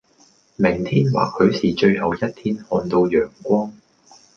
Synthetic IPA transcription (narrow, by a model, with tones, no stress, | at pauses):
mɪ˨˩ŋt̪ʰiː˥nwa̰ː˨k̚hɵ˨˧ɥsiː˨˩t͡ʃɵ˧ɥhɐ˨˩wjɐ˥t̚t̪ʰiː˥nhɔː˧nt̪o˧wjœː˨˩ŋkʷɔː˥ŋ